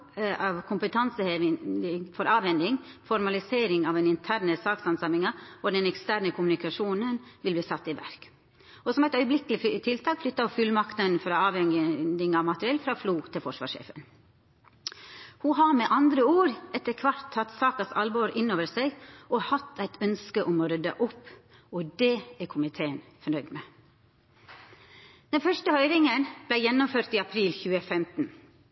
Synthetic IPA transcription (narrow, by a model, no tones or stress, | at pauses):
ɑʋkʰʊmpət̪ʰɑnsəheʋɪŋfɔɾɑːʋhɛnd̪ɪŋ | fɔɾmɑlɪseːɾɪŋɑʋæɛɪnɪnt̪ʰæːɾnəsɑːksɑnsɑmɪŋɑɔd̪ɛnɛkst̪æɾnəkʰʊmʉnɪkɑʂuːnənʋɪlb̪iːsɑt̪ːɪʋæ̰ɾk | ɔsɔmæɪt̪œʏəblɪkəlɪt̪ʰɪlt̪ʰɑːkflʏt̪ːɑɔfʉlmɑkt̪ənnfɾɑɑːʋɛŋd̪ɪŋɑʋmɑt̪ɾɪɛlfɾɑːfluːt̪ʰɪlfɔʂʋɑ̰ːʂḛːfə̰n | huɦɑɾmɛʔɑnd̪ɾəuːɾɛt̪ːəɾkʰʋɑɾt̪ʰːɑt̪sɑːkɑsɑ̰lboɾʔɪnoːʋəseɡʔɔhɑt̪ːæɪt̪ʰœnskəʔɔmɔɾœd̪ɑ̰ʔɔpː | ɔd̪eːæɾkʰʊmɪt̪ʰeːənfɔɳœʏd̪meː | d̪̥ɛnfœʂʈəhœʏɾɪŋənb̥læɪjɛnːʊmføːɾt̪iɑpʰɾiːlçʉːəfɛmt̪n̩